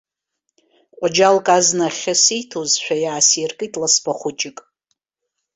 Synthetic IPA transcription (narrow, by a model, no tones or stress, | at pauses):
qʷʼad͡ʒalkʼaznaχʲasijtʰozʃʷᶣajaːsjerkʼɨjtʼlasbaχʷʊt͡ʃʼɪkʼ